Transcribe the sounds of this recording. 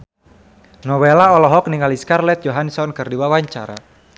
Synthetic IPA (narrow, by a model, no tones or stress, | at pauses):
nɔwɛlaɔlɔɦɔk̚niŋaliskarlɛt̪̚d͡ʒɔɦansɔnkərdiwawaɲt͡ʃaɾa̰